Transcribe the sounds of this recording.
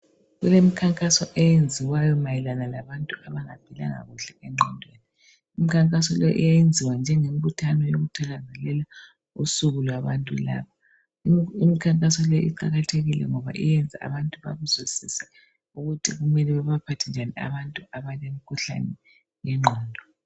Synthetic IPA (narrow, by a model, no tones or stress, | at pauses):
ɣulemikʰaŋkʼasɔʔɛjend͡zʱiwajɔmajɛlanalaβantʼuaβaŋab̥ʱila̰ŋa̰ɣuɬɛʔɛŋ͡ǃʱɔndʱweni | imikʰaŋkʼasɔlɔʔḭjajend͡zʱiwand͡ʒʱɛŋem̩βutʰanɔjoɣutʰaɣazɛlɛla | usuɣulwaβantʼṵla̰ːβa | imikʰaŋkʼasɔlɔjḭǃa̰ɣatʰeɣilɛ̰ŋɔβa̰ʔijɛnd͡zʱa̰a̰βantʼuβa̰ɣuzwisisɛ | uɣutʰiɣumɛlɛβɛβapʰatʰind͡ʒʱanḭa̰βantʼuaβalemikʰuɬa̰nɛ | jɛŋ͡ǃʱɔːndʱɔ